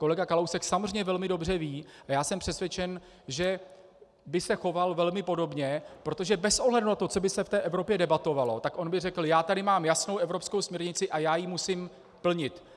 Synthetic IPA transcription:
ko̞lɛɡakalowsɛksamor̝ɛɲɛvɛlmɪdo̞br̝ɛviːʔajaːsɛmpr̥ɛsvʲjɛt͡ʃɛn | ʒɛ | bɪsɛxo̞valvɛlmɪpo̞do̞bɲɛpɾo̞t̪oʒɛbɛsʔoɦlɛdunat̪o̞t͡so̞bɪsɛft̪ɛːʔɛvɾo̞pjɛdɛbat̪o̞valo̞̰t̪akʔo̞nbɪrɛkl̩jaːt̪adɪmaːmjasno̞wʔɛvɾo̞psko̞wsmɲɛɾɲɪt͡sɪʔajaːjimusiːm | pl̩ɲɪt̪

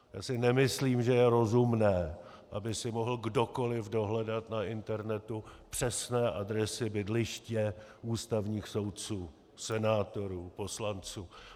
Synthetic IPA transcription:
jaːsɪnɛmɪsliːmʒɛjɛɾo̞zumnɛː | ʔabɪsɪmo̞ɦl̩ɡdo̞ko̞lɪvdo̞ɦlɛdat̪naʔɪnt̪ɛɾnɛt̪upr̝̥ɛsnɛːʔadɾɛsɪbɪdlɪʃcɛuːst̪avɲiːxso̞wt̪̚t͡suː | sɛnaːt̪o̞ɾuːpo̞slant͡suː

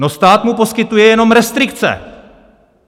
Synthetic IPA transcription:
nost̪aːt̪mupo̞skɪt̪ujɛjɛno̞mɾɛst̪ɾɪkt͡sɛ̰

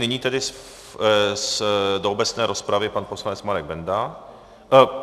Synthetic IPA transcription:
nɪɲiːt̪ɛdɪ | sdoobɛt͡snɛːɾo̞spɾavɪpanposlanɛt͡smaɾɛɡ̚bɛnda

